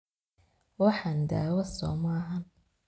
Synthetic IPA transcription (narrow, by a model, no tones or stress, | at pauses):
wɑħand̪a̰ːwɐsɔ̰ːmaɦan